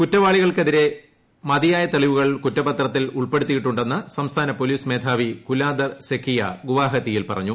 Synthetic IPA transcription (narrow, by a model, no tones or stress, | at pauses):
kutːɐʋaːɭiɣɐɭkeðiɾe̞ | mɐðijaːjɐt̪eɭiʋuɣɐɭkutːɐpɐt̪rɐt̪ːiluɭpe̞ɽut̪ːijiʈːuɳɖe̞nːɐsɐmst̪ʰaːnɐpo̞liːsme̞ːt̪ʰaːʋikulaːd̪ɐsekʰːijɐ̰ɡuʋaːɦɐt̪ːijilpɐ̰rɐ̰ɲːu